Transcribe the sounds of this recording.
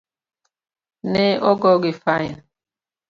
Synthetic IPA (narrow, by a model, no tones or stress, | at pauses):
neʔɔɡɔɡɪfaɪn